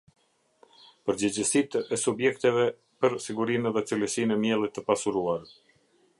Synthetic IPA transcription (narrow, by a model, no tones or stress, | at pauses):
pəɾd͡ʑəd͡ʑəsit̪əɛsubjɛkt̪ɛvɛ | pəɾsiɡuɾinɛðɛt͡siləsinɛmjɛlˠit̪ːəpasuɾuaɾ